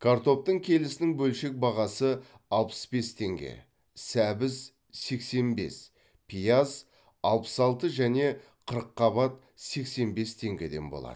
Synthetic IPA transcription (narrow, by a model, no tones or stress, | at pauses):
kʰaɾt̪o̞p̚t̪əɴkʲʰe̞lɪsɪnɪŋbɵlʃe̞k̚bɑʁɑsə | ɑlˠpə̥sbe̞st̪ʰe̞ŋɡʲḛ | sæbɪz | se̞kse̞nbe̞̰s | pʰijaz | ɑlˠpə̥sɑlˠt̪əʒæne̞ | qʰəɾəqːɑβɑt̪̚ | se̞kse̞nbe̞st̪ʰe̞ŋɡʲe̞d̪e̞nbolˠɑ̰d̪ə